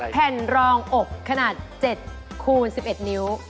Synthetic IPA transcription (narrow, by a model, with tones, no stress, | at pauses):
pʰɛ˨˩nɾɔː˧ŋʔo˨˩kʰːa˧naː˨˩t̪̚t͡ɕe˨˩t̪̚kʰuː˧nsi˨˩p̚ʔe˨˩t̪̚ni˦˥w